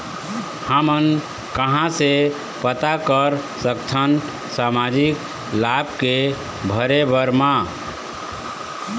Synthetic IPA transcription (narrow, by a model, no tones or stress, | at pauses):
həmən | kəɦãse | pət̪akəɾsəkt̪ʰən | samad͡ʒik | labke | bʱəɾebəɾma